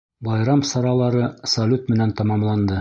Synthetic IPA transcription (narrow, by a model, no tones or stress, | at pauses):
bɑjɾɑmsɑɾɑlˠɑɾɤsɐlʲut̪mɘ̆nænt̪ɑmɑmlˠɑnd̪ɤ